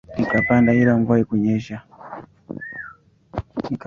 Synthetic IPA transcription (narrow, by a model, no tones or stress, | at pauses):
nikapandaiɾamɡuajikuɲeʃa | ik